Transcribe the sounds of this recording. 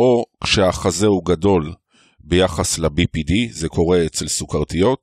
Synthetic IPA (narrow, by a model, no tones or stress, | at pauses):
ʔo̞kʃeaχazeuɡado̞l | bejaχaslebipidizekʰo̞ʁe̞et͡se̞lsukaʁtijo̞t